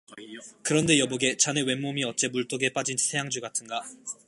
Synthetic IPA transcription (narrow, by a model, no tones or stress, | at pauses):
kɯɾʌnde̞jʌboɡe̞t͡ɕanewe̞nmːomiʌt̚t͡ɕ͈e̞muɭt͈oɡe̞p͈ad͡ʑinsʰe̞jaŋd͡ʑuɡatʰɯnɡa